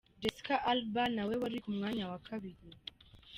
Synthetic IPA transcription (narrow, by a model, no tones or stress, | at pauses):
dɛskaʔalbanawɛwaɾikumŋaɲawakʰaβili